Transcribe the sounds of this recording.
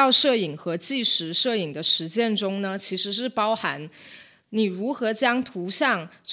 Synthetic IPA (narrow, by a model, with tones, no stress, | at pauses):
ɑ˥˧ʊʂɤ˥˩i˨˩ŋxɤ˧˥t͡ɕi˥˩ʂɻ̩˧˥ʂɤ˥˩i˨˩ŋd̪ə˦ʂɻ̩˧˥t͡ɕjɛ˥˩nʈ͡ʂʊ˥ŋnə˧t͡ɕʰi˧˥ʂɻ̩˧˥ʂ̬ɻ̩˥˩pɑ˥ʊxa˧˥n | ni˨˩ɻu˧˥xɤ˧˥t͡ɕjɑ˥ŋt̪ʰu˧˥ɕjɑ˥˩ŋt͡s